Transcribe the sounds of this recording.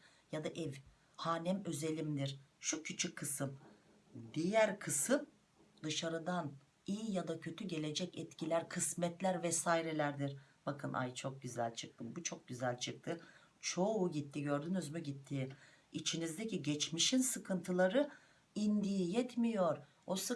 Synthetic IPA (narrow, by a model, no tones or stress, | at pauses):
jad̪aʔɛv | haːnɛmøze̞lʲimd̪iɾʃucʰyt͡ʃʰyckʰːɯsɯm | d̪ijæɾkʰɯsɯm | d̪ɯʃaɾɯd̪an | ijjad̪acʰø̞t̪ʰyɟe̞lʲe̞d͡ʒɛcɛt̪cʰilʲæɾkʰɯsmɛt̪lʲæɾvɛsaːiɾelʲæɾd̪iɾ | b̥akʰɯnʔa̰jt͡ʃʰo̞k̚ɟyzælʲt͡ʃʰɯk̚t̪ʰɯmbut͡ʃʰo̞k̚ɟyzælʲt͡ʃʰɯk̚t̪ʰɯ | t͡ʃʰo̞uɟit̪ʰːiɟø̞ɾd̪ynyzmyɟit̪ʰːiː | it͡ʃʰinizd̪eciɟɛt͡ʃmiʃinsɯkʰɯnt̪ʰɯlˠaɾɯ | ind̪ijijɛt̪mijo̞ɾ | osɯ